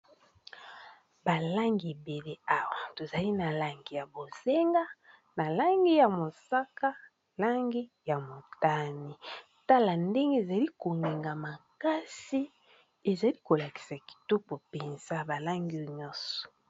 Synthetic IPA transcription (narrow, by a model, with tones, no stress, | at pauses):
ba˨la˦ŋɡi˨be˨le˦a˦wa˨to˨za˨li˦na˨la˦ŋɡi˨ja˨bo˨z̥e˦ŋɡa˦ | na˨la˦ŋɡi˦ja˨mo˨sa˦ka˦ | la˦ŋɡi˦ja˨mo˨ta˦ni˨ | ta˦la˨nde˦ŋɡe˦e˨za˨li˦ko˨ŋɡe˨ŋɡa˨ma˨ka˦si˦ | e˨za˨li˦ko˨la˨ki̥˨sa˨ki̥˨tɔ˦pɔ˨pe˨nz̥a˦ba˨la˦ŋɡi˦˨ɲɔ˦sɔ̥˨